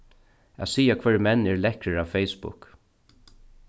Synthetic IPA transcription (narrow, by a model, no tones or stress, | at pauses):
æsiːakʰvɛɹmɛnːɛɹlɛhkɾəɹaːʋfejsbʊ̰k